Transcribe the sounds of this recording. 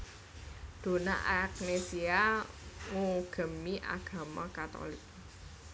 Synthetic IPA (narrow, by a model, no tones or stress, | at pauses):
d̪̥o̤na̰ʔak̚nesia | ŋuɡ̥ə̤miʔa̰ɡ̥a̤makat̪ɔ̰lik̚